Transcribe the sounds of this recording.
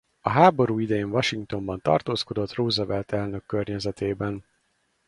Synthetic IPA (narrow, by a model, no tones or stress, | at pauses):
ɒɦaːbo̞ɾuːid̪ɛjeːɱvɒʃiŋkt̪o̞mbɒn̪t̪ɒ̰rt̪oːsko̞d̪o̞t̪roːzɒvɛlt̪ɛlnø̞kːørɲɛzɛt̪eːbɛn